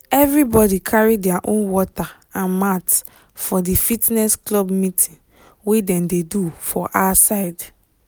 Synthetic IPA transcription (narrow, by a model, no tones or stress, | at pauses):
ɛvɹibɔdikʰaɹidɛaʔõnwɔta | ãnmat | fɔdifitnɛsklɔbmitʰĩn | wedɛ̃mdedufɔʔasaɪd